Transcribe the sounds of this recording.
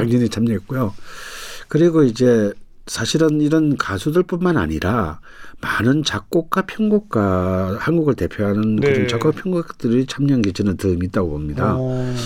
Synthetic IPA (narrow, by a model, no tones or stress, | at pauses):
aŋɲʌɲit͡ɕʰamɲʌɦet̚k͈ujo | kɯɾiɡoid͡ʑe̞ | sʰaɕʰiɾɯniɾʌnkasʰudɯɭp͈unmana̰ɲiɾa | manɯnt͡ɕak̚k͈ok̚k͈apʰjʌŋɡok̚k͈ahanɡuɡɯɭte̞pʰjoɦanɯnkɯɾʌnt͡ɕʌɡ͈ʌpʰjʌŋɡut͈ɯɾit͡ɕʰamɲʌŋɡed͡ʑinɯntɯɯmit̚t͈aɡopomɲida